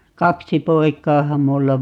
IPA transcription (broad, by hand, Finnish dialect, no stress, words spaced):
kɑksi poikˑɑːhɑm mulːɑ